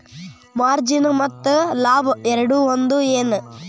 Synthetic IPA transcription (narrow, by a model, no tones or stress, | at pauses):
maːɾd͡ʒɪnɯmɐt̪ːɯlaːʋɯɛɾɐɽuʋɐnd̪ɯeːnɯ